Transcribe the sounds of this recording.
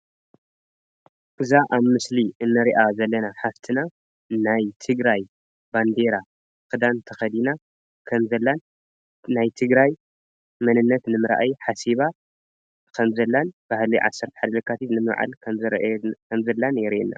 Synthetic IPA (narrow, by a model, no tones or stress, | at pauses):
ʔɨzaʔaβmɨsliɨnːɐɾiʔazɐlːɐnaħaft̪ʰɨna | najt̪ʰɨɡɾaj | band̪eɾa | kɨd̪ant̪ʰɐxɐd̪ina | kʰɐmzɐlːan | najt̪ʰɨɡɾaj | mɐnɨnːɐt̪nɨmɨɾʔa̰jħasiβa | kʰɐmzɐlːanb̥ahliʕa̰sːɐɾt̪ɐ̥ħad̪ɐlɨkʰːat̪ʰit̪nɨmβʕa̰lkʰɐmzɨɾʔkʰɐmzɐlːanjɛɾʔenːa̰